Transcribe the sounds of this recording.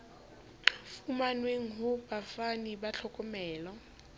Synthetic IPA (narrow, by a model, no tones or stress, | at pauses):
fumanweŋ̩ɦʊbafanibat͡ɬʰɔkʼɔmɛːlɔ